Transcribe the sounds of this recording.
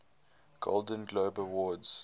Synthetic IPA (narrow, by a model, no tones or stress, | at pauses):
ɡ̥o̰lˠdə̃nɡloːbəwɔdz̥